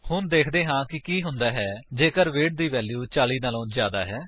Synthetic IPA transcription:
hʊnd̪eːkʰd̪eːɦãːkɪkiːɦʊnd̪aːɦɛːd͡ʒeːkəɾʋeːʈ̚d̪iːʋɛːljuːt͡ʃaːliːnaːlõːzjaːd̪a̰ːɦɛː

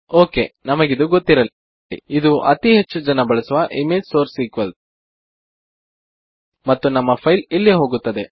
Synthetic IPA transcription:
oːkḛnɐmɐɡid̪uɡot̪ːiɾɐl | ḭid̪uʔɐt̪iɦet͡ʃːud͡ʒɐnɐbɐɭɐsuʋɐʔimeːd͡ʒsoːɾsiːkʋɐl | mɐt̪ːunɐmːɐpʰɐjlilːiɦoːɡut̪ːɐd̪e

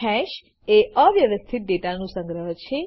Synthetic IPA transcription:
ɛʃ | eəʋjəʋəst̪ʰit̪̚ɖeʈanũsə̃ŋɡɾəɦt͡ʃʰe

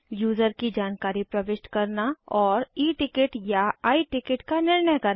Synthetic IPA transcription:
juːzəɾkid͡ʒaːnkaːɾipɾɐʋɪʃʈkɐɾnaɔːɾiːʈɪkɪʈjaaːiʈɪkɪʈkanɪɾɳəjkɐɾ

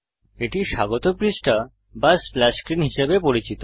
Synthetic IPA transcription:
eʈiʃaɡot̪opɾisʈa | basflɛskɾinɦiʃebepoɾit͡ɕit̪o

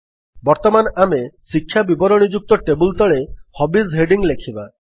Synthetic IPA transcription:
bɔɾt̪ɔmanɔamesikʰːjabibɔɾɔɽ̃id͡ʒuk̚t̪ɔʈebult̪ɔɭehɔbisɦeɖiŋlekʰiba

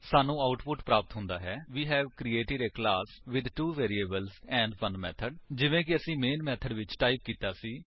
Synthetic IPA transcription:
saːnũːaːʊʈpʊʈpɾaːpət̪ɦʊ̃nd̪aːɦɛːʋiːɦɛːʋkɾiːeːʈɪɾeːklaːsʋɪd̪ʈuːʋeːɾieːbəlzɛ̃ːɳɖfʰənmɛ̰ːt̪ʰəɖd͡ʒɪʋẽːk̬ɪəsĩːmeːnmɛːt̪ʰəɖʋɪt͡ʃʈaːɪp̚kiːt̪aːsiː

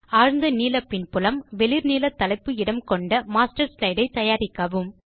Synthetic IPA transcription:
aːɻnd̪ɐniːlɐpɪnpʊlɐmʋɛlɪɾniːlɐt̪ːɐlɐɪpːɯɪɽɐmkɔɳɖɐmaːsʈɐɾslɐɪɖɐɪt̪ɐjaːɾɪkːɐʋɯm

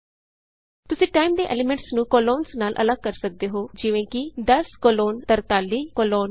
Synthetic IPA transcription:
t̪ʊsĩːʈaːimd̪eːʔɛ̰ːlɪmɛ̃ɳʈsnũːkoːloːnsnaːlʔə̰ləɡ̚kəɾsək̚d̪eːɦoːd͡ʒɪʋẽːkɪd̪əskoːloːnt̪əɾt̪aːlːiːkoːloːn

